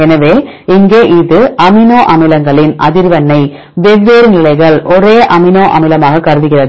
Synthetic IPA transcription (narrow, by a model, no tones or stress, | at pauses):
ɛnɐʋeː | ɪŋɡeːʔɪðɯʔɐmɪnoːʔɐmɪlɐŋɡɐɭɪnʔɐ̰ðɪɾʋɐnːɐɪ | ʋɛʋːeːɾnɪlɐɪɣɐɭɔɾeːʔɐmɪnoːʔɐ̰mɪlɐmaːɣɐkɐɾɯðɯɣɪrɐðɯ